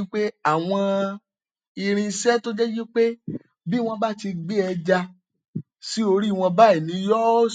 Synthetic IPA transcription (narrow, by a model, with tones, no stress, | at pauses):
i˦k͡pe˦a˦˨w̃ɔ̃˧ | i˧ɾ̃ĩ˧sɛ˦to˦d͡ʒɛ˦ɡi˦k͡pe˦ | bi˦˨w̃ɔ̃˧ba˦˨ti˧ɡ͡bi˦ɛ˧d͡ʒa˧ | si˦o˧ɾi˦˨w̃ɔ̃˧ba˦ɛ˦˨nĩ˨˦jɔ˦